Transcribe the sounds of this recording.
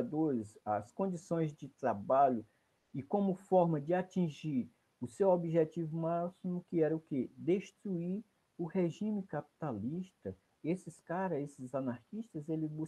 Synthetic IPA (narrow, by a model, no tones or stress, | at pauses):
d̪oɾɪzɐskõnd͡ʒisõj̃zd͡ʒɪt̪ɾabaʎʊ | ɪkõmʊfɔɾmɐd͡ʒɪat͡ʃĩʒiɾ | ʊsewobiʒɛt͡ʃivʊmasimʊkɪɛɾɐʊked̪eʃt̪ɾuiɾ | ʊheʒĩmɪkapi̥t̪aliʃt̪ɐ | esɪskaɾɐesɪzanaɾkiʃt̪ɐzelɪbu